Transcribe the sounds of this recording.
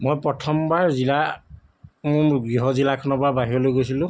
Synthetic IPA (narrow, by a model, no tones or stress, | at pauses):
mojpɹɔtʰɔmbaɹzila | mɡɹiɦɔzilakʰɔnɔbaɹbaɦiɔlojɡojsilʊ̃